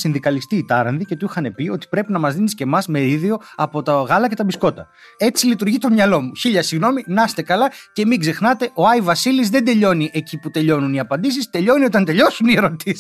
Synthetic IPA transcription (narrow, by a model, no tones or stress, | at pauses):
sinðikɐlist̪iːt̪ɐɾɐnðice̞t̪uixɐne̞pio̞t̪i̥pɾe̞pinɐmɐzðinisce̞mɐzmeɾiðio̞ɐpo̞t̪ɐɣɐlɐce̞t̪ɐbisko̞t̪ɐ | e̞t͡silit̪uɾʝit̪o̞mɲɐlo̞muçiʎɐsiɣno̞minɐst̪e̞kɐlɐce̞miɡze̞xnɐt̪e̞ʔo̞ɐivɐsilizðe̞nd̪e̞ʎo̞niʔe̞ciput̪e̞ʎo̞nuniɐpɐnd̪is̬ist̪e̞ʎo̞nio̞t̪ɐnt̪e̞ʎo̞sunie̞ɾo̞t̪is